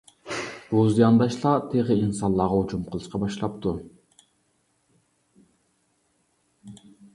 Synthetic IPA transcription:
b̥uzijɑnd̪ɑʃlˠɑt̪ʰiʁiinsɑllˠːɑʁɑut͡ʃumqʰəlˠɯʃqɑbɑʃlˠɑp̚t̪u

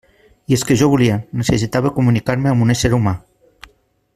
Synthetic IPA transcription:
ieskeʒɔβulienesesit̪aβekumunikaɾmeambuneseɾuma

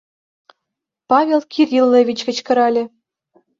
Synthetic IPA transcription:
pɑvʲelˠkʲirʲilːeʋʲit͡ɕkɘ̆t͡ɕkɤ̆ɾɑlʲɘ̆

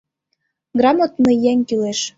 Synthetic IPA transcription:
ɡrɑmot̪nɤ̆jæŋʲkyleʃ

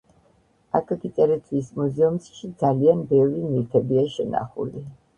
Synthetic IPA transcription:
a̰kʰaɡit̪sʼɛɾɛt̪ʰwismuzɛumsʃid̪zalianbɛvɾiniɾt̪ʰɛbiaʃɛna̰χṵli

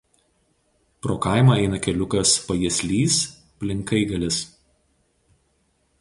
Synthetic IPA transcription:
pɾoːkɑˑɪmɐˑɛɪnɐkʲɛlʲʊkɐspɐjiɛsʲlʲiːs | pʲlʲɪŋkɐɪɡɐlʲɪs

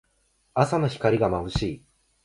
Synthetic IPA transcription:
asanoçi̥kaɾʲiɡamaɯ̟ɕiː

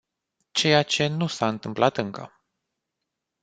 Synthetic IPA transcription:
t͡ʃe̞jat͡ʃe̞nusaɨnt̪ɨmplʔat̪ɨŋkə̰

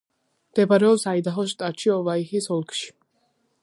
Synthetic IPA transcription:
md̪̥ɛbaɾɛɔpsaid̪aɦɔʃ̬t̪ʼat̪ʃiɔvaixisɔlˠkʰʼʃi̥

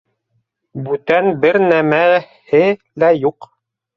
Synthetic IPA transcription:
bʉt̪ænbɘɾnæmæ | hɘlæjuq

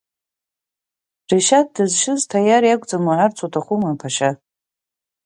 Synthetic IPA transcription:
riʃat̚dɨzʃɪztʰajaɾjakʷʼd͡zamaʕart͡sʰotʰaχʷumapʰaʃa

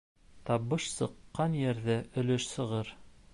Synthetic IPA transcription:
t̪ɑβɤʃsɤ̆qːɑnjæɾðɘʔɵ̆lɵʃsɤ̆ʁɤɾ

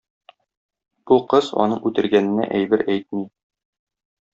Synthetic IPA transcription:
b̥uqɤzɒ̰nɤɴʉt̪ɘ̆ɾɡænɘ̆næ̰ʔæjbɘɾæjt̪̚mi

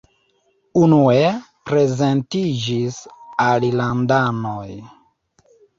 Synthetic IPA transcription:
unue | pɾe̞ze̞ntid͡ʒisalilandanoj

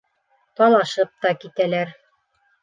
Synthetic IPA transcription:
t̪ɒlˠɑʃɤp̚t̪ɑkit̪ælæɾ

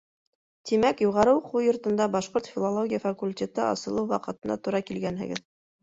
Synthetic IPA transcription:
t̪imækjuʁɑɾɤwqujŏɾt̪ɤ̆nd̪ɑbɑʃqoɾt̪fʲilˠolˠoɡʲijəfakulʲtʲet̪ɤʔɑ̰sɤ̆lˠɤwwɑqɤ̆t̪ɤ̆nɑ̰t̪uɾɑkilɡænɦɘ̰̆ɡɘ̰ð

